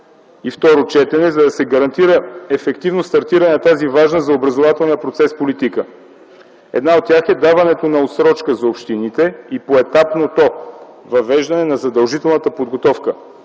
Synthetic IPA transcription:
ift̪ɔɾot͡ʃɛt̪ɛnɛzɐd̪ɐsɛɡɐɾɐnt̪iɾəɛfɛkt̪ivnost̪ɐɾt̪iɾɐnɛnɐt̪azivaʒnəzɐobɾɐzovat̪ɛlˠnijəpɾot̪sɛspolit̪ikə | ɛ̰d̪naot̪̚tʲːjaxɛd̪avɐnɛt̪onɐot̪sɾɔt͡ʃkəzɐopʃt̪init̪ɛipoɛt̪apnot̪ɔ | vɐvɛʒd̪ɐnɛnɐzɐd̪ɐlˠʒit̪ɛlˠnɐt̪əpod̪ɡot̪ɔfkə

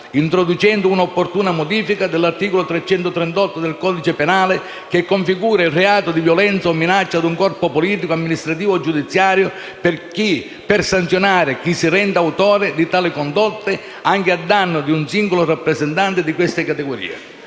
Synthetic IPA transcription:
int̪ɾod̪ut͡ʃɛnd̪ʊunaopːort̪uːnamod̪iːfikad̪ɪlːart̪iːkolʊt̪ɾɛt͡ʃːɛnt̪ʊt̪ɾɛnt̪ɔt̪ːʊd̪elkɔːd̪it͡ʃɪpenaːlɪ | k̟ekːoɱfiɡuːɾailreaːt̪ʊd̪ivjɔlɛnt̪saɔmːinat͡ʃːad̪uŋkɔrpʊpɔliːt̪ikoamːinist̪ɾat̪iːvʊd͡ʒːud̪it̪sːjaːɾjʊ | pɪrki | pɪrsant̪sjonaːɾɪk̟isːirɛnd̪awt̪ɔːɾɪd̪it̪aːlɪkɔnd̪ɔt̪ːɪ | aŋk̟ɪad̪anːʊd̪iunsiŋɡolʊrapːɾɛzɛnt̪ant̪ɪd̪ikwɪst̪ɪkat̪ɛɡoɾḭːḛ

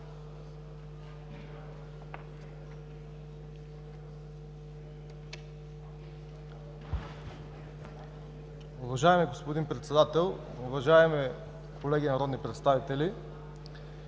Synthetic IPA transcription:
ʊvɐʒaɛmiɡospod̪inpɾɛt̪sɛd̪at̪ɛlˠ | ʊvɐʒaɛmi | kʰolɛɡʲinɐɾɔd̪nipɾɛt̪st̪avit̪ɛli

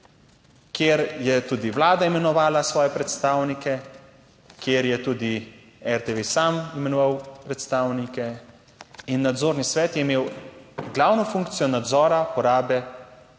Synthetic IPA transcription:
kjeɾjɛt̪uːd̪iʋlaːd̪aimɛnɔʋaːlasʋɔːjɛpɾɛt̪st̪aːwnikɛ | kjeːɾjɛt̪uːd̪i | ɛɾt̪eʋesamimɛnɔʋawpɾɛt̪st̪aːwnikɛ | inːad̪zoːɾnisʋɛːt̪jɛimeːwɡlawnɔfuŋk̚t̪sijɔnad̪zɔːɾapɔɾaːbɛ

